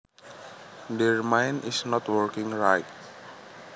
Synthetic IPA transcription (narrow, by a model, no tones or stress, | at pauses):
deɹmãjnisnɔtwɔɹkĩŋɹajt̚